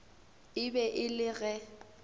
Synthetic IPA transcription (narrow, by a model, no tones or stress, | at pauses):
ɪbɛʔɪlɪɣɛ